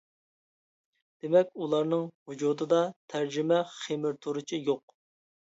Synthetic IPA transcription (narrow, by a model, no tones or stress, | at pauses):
d̪̥emɛkʲulˠɑɾnɨŋhud͡ʒut̪ɨd̪ɑt̪ʰæɾd͡ʒimɛχemɪɾt̪ʰoɾɨt͡ʃʰijoq̚